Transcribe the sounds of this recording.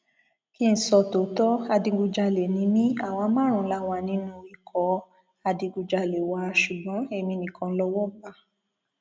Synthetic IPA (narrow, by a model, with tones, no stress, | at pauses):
ki˦n̩˨sɔ˧˨to˨tɔ˦a˧dĩ˧ɡu˧d͡ʒa˧le˨nĩ˨˧˦mĩ˦a˦˨wa˧˦mãː˦ɾ̃ũ˧˨˦la˧˦wa˧˨nĩ˦nũ˧i˨kʰɔ˨˧ | a˧dĩ˧ɡu˧d͡ʒa˧le˨wa˧ʃu˨ɡ͡bɔ̃˨˦e˦˧˨mĩ˧nĩ˧˨kɔ̃˧lɔ˧wɔ˦ba˧